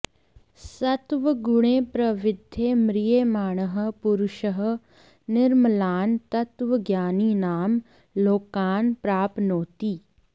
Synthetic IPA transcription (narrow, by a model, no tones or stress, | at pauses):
sɐt̪ʋəɡʊɽ̃eːpɾɐʋɪd̪ʱjemɾɪjeːmaːɳəɦə̆pʊɾʊʃəɦ | nɪɾməlaːnt̪ɐt̪ʋəɡjaːniːnaːm | loːkaːnpɾaːpnoːt̪iː